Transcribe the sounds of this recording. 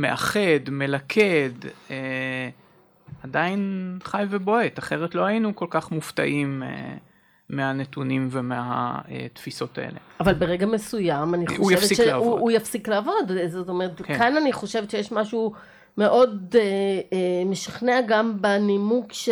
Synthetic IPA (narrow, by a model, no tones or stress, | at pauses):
meʔaχe̞dmelakʰed̪e | adainχajvebo̞et̪aχeʁet̪lo̞hajinukolkaχmuft̪a̰ʔimḛː | eanetunimvemea̰ḛt̪fiso̞t̪a̰ʔḛlḛʔavalbe̞ʁeɡamesujamaniχoujaefvesileoujafsikleaːvo̞dzot̪o̞meet̪kkananiχo̞ʃe̞vet̪t͡ʃejeʃmaʃu | me̞ʔo̞de | meʃiχneaɡambenimukʃ